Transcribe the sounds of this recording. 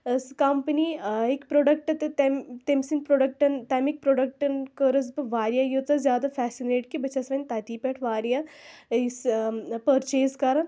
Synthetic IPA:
skɐmpəniːɪkpɾoːɖɐk̚ʈɐt̪et̪emt̪emsinpɾoːɖɐk̚ʈɐnt̪ɐmik̚pɾoːɖək̚ʈnkəɾɐs̬bɨʋaːɾjajoːt̪ɐzʲjaːd̪afʰɛːsineːʈkibɐt͡ʃasɾɐnʲt̪aːt̪iːpeʈʰʋaːɾijaːspəɾt͡ʃeːzkaɾan

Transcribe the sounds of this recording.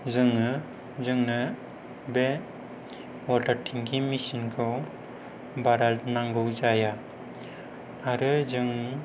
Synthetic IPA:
zɯŋɯ | zɯŋnɯ | be | wɔtaɾtʰiŋɡimisinkʰɯw | baɾalnaŋɡɯwzaja | aɾɯzɯŋ

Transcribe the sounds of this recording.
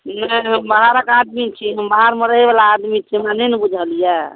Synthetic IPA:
nəɦəmbaɦaɾəkad̪̚mit͡ʃʰiɦəmbaɦaɾmeɾəɦeβalaːd̪mit͡ʃʰimanenbud͡ʒʱalija

